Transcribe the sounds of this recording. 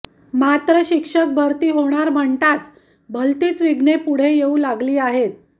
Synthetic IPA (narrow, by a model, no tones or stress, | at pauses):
mat̪ɾəɕikʂək̚bʱəɾt̪iːɦoɽ̃aɾm̤əɳt̪at͡s | bʱəlt̪iːt͡sʋiɡɳepuɽ̤ejeũlaɡliːaɦet̪̚